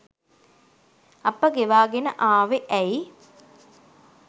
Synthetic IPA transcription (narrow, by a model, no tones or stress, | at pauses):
ɐpːəɡeʋaːɡenə̰ʔaːʋeʔɛj